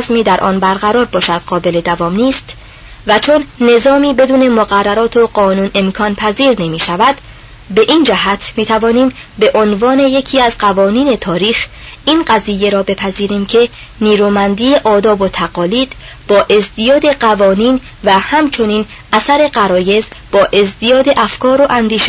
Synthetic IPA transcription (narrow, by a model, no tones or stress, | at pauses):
zmiːd̪æɾʔɒ̰ːnbæɾɣæɾɒːɾbɒːʃæd̪̥ɢɒːbe̞le̞d̪ævɒːmniːst̪ | væt͡ʃʰo̞nːe̞zɒːmiːbe̞d̪uːne̞moɣærːæɾɒːt̪ʰoɢɒːnuːnʔe̞mkʰɒːnpʰæziːɾne̞miːʃævæd̪ | be̞ʔiːnd͡ʒæɦæt̪ʰmiːt̪ʰævɒːniːmbe̞ʔo̞nvɒːne̞je̞cʰiːæzɢævɒːniːne̞t̪ʰɒːɾiːxinɢæzije̞ɾɒːbe̞pʰæziːɾiːmcʰe̞ | niːɾuːmænd̪iːje̞ʔɒːd̪ɒːbo̞t̪ʰæɣɒːliːd̪̥ | b̥ɒːʔe̞zd̪ijɒːd̪e̞ɢævɒːniːn | væhæmt͡ʃʰo̞niːn | ʔæsæɾe̞ɢæɾɒːje̞zb̥ɒːʔe̞zd̪ijɒːd̪e̞ʔæfkʰɒːɾo̞ʔænd̪iːʃe